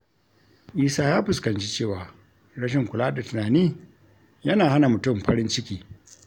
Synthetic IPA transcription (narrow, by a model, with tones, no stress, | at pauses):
ʔiː˦saː˦jaː˦ɸʊ˨skɐ˨nt͡ʃi˦t͡ʃeː˦˨waː˨ | ɽɐ˦ʃ̬ɪ˨ŋkʷʊ˨laː˦da˨tʊ˨naː˨niː˦ | jɐ˦naː˨ha˦na˨mʊ˨tʊ˦˨mɸɐ˦ɾɪ˦nt͡ʃɪ˦kʲiː˨